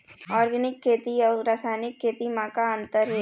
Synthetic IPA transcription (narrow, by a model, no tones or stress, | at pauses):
aːɾɡɐnikːeːt̪iɐɾasaːjnikʰːeːt̪imaːkaɐnt̪ɐɾe